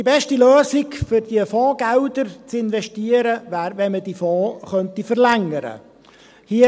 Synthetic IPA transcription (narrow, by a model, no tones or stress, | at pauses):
d̥ibɛʃtiløːsɪkfʏɾdiəfɔ̃ːɡ̥æld̪əɾt͡sɪnvɛʃtiːəɾəvæːɾvɛnmədifɔːχœnt̪ifəɾlæŋːəɾə̰ | hi